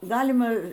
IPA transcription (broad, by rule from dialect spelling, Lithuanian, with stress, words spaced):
ˈɡɑːlʲɪmɐ